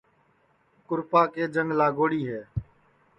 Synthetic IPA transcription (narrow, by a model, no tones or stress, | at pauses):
kʊɾpaːkeːd͡ʒəŋɡlaːɡoːɽiːɦeː